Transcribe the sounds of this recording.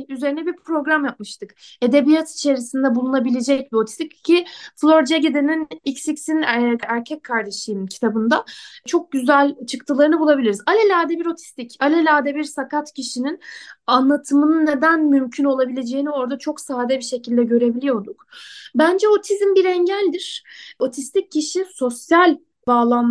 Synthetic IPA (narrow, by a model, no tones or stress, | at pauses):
yze̞ɾinɛbiɾpʰɾo̞ɡɾamjap̚mɯʃt̪ʰɯke̞d̪e̞bijat̪ʰi̥t͡ʃʰe̞ɾisind̪ɛbulˠunabilʲed͡ʒɛc̚bio̞t̪ʰi̥st̪iccʰiflˠoɾd͡ʒeɟed̪eninicsicsinæɾcʰɛckʰːaɾd̪eʃɯːmcʰi̥t̪ʰabɯnd̪at͡ʃʰo̞k̚ɟyzælʲt͡ʃʰɯkt̪ʰɯlˠaɾɯnɯbulˠabilʲiɾizalʲɛlʲaːd̪ɛbiɾo̞t̪ʰi̥st̪icalʲɛlʲaːd̪ɛbiɾsakat̪cʰiʃininanlˠat̪ʰɯmɯnɯnːe̞d̪ænmymcʰyno̞lˠabilʲe̞d͡ʒe̞jinio̞ɾd̪at͡ʃʰo̞ksaːd̪ɛbiʃe̞cʰilʲd̪ɛɟø̞ɾe̞bilʲijo̞ɾd̪ukbænd͡ʒɛo̞t̪ʰizmbiɾɛɲɟælʲd̪iɾ̥o̞t̪ʰist̪ʰicːiʃiso̞sjalʲ | baːlˠan